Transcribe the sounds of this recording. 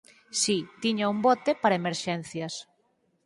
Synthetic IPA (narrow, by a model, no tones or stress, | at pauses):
sit̪iɲaumbɔt̪epaɾɐemeɾʃɛn̟θjɐs